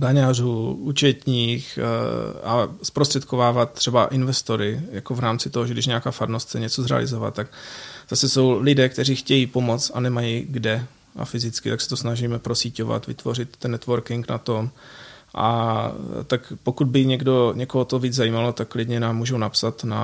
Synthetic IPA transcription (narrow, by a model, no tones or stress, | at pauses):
daɲaːruːut͡ʃɛt̪ɲiːx | aspɾost̪r̥ɛt̪̚ko̞vaːvat̪̚t̪ːr̝̥ɛbaʔɪnvɛst̪oɾɪjako̞vɾaːmt͡sɪt̪oɦoʒɛɡdɪʃɲɛakaːfadnost̪t͡sɛɲɛt͡so̞zɾɛ̰a̰lɪ̰zo̞va̰t̪̚t̪ːaɡzasɛso̞wlɪdɛːkt̪ɛriːxcɛjiːpo̞mo̞t͡sanɛmajiɡdɛ | ʔa̰fɪzɪt͡skɪt̪aksɛ̥t̪o̞snaʒiːmɛpɾosiːco̞va̰t̪vɪ̰t̪vo̞r̝ɪt̪ːɛnːɛt̪vo̞ɾkɪŋknat̪o̞m | ʔa̰ | t̪akpo̞kud̪̚bɪɲɛɡdo̞ɲɛko̞ɦot̪oviːd͡zzajiːmalot̪akkːlɪdɲɛnaːmːuːʒownapsat̪na̰